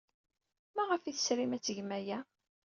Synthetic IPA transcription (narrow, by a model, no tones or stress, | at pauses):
mæʁəfiθə̥sɾimæt͡sːəʝmæjæ